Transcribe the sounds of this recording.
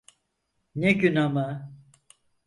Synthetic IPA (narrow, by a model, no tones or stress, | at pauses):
neɟynama